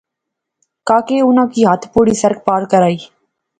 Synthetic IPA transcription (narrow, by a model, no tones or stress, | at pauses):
kaːkeːʊnãːkiːɦət̪ʰpuːɽiːsəɾk̚paːɾkəɾaːiː